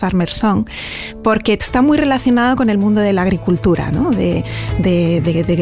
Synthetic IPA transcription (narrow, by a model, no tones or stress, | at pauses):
aɾmeɾsoŋ | po̞ɾke̥st̪amujre̞laθjo̞nað̞oko̞ne̞lmũnd̪oð̞e̞laɣɾikult̪uɾa̰noðḛd̪eðeðe